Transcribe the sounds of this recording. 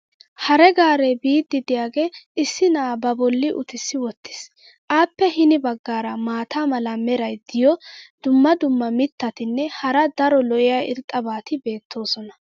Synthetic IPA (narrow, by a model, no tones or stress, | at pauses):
hɐɾɛɡaːɾɛbiːd̪ːɪd̪ɪjaːɡe̞ːɪsːɪnaːbɐbɔlːɪʔʊt̪ɪsːɪwɔt̪ːɪ̥s | ʔaːpːɛɦɪnɪbɐɡːaːɾɐmaːt̪amɐlɐmɛɾɐjd̪ɪjɔd̪̥ʊmːɐd̪ʊmːɐmɪt̪ːɐt̪ɪnːɛhɐɾɐd̪ɐɾɔlɔʔɪjaɪ̰ɾt̪ʼːɐbaːt̪ɪbe̞ːt̪ʰːo̞ːsɔnɐ